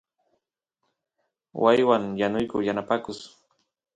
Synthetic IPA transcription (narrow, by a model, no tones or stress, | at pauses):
wʔajwaŋjanʊjkʊjanapakʊs